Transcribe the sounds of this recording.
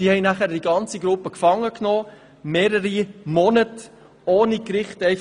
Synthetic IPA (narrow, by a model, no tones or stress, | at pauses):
d̥ihɛɪnæχəɾd̥iɡɑnt͡siɡɾupəkfɑŋːəknoː | meːɾəɾimɔnət | oːnikɾɪχtɛɪ